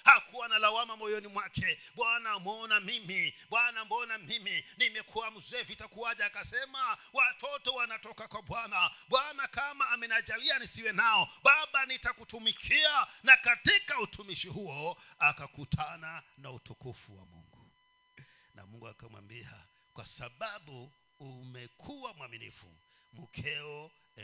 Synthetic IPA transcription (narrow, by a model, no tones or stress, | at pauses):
hakuanalawamamɔjɔnimwakʰɛɓwanamɔnamimiɓwanamɔnamiminimɛkʰuam̩zɛvitakuwaʄaːkasɛmawatɔtɔwanatɔkakwaɓwanaɓwanakamaːmɛnad͡ʒalianisiwɛnaɔɓaɓanitakutumikʰianakatikautʰumiʃiɦuɔakakutʰananautukufuwa̰mṵŋɡu | na̰muŋɡua̰kamwa̰mbia̰ | kwa̰saɓaɓuː | mɛkʰuwamwaminḭfṵ | mukʰɛɔ | ɛ